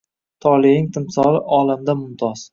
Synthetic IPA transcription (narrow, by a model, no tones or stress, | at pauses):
t̪ʰɒlɪɪŋt̪ʰɪmsɒlˠɪʔɒlamd̪amʊmt̪ʰɒz̥